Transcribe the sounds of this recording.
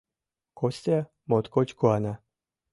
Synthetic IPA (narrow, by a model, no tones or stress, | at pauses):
kosʲt̪ʲa | mot̪kot͡ɕkuana